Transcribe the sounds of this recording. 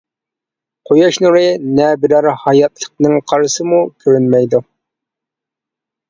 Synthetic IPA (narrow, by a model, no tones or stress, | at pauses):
qʰojɑʃnuɾɨnɛbɪɾæɾhɑjɑt̪lˠəq̚nɨŋqʰɑɾsɨmukʲʰøɾynmɛjd̪u